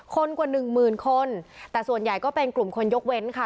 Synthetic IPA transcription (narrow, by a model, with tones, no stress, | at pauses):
kʰo˧nkwa˨˩nɯ˨˩ŋmɯː˨˩nkʰo˧nt̪ɛː˨˩su˨˩ənja˨˩jkɔː˥˩pe˧nklu˨˩mkʰo˧njo˦˥k̚we˦˥nkʰa˥˩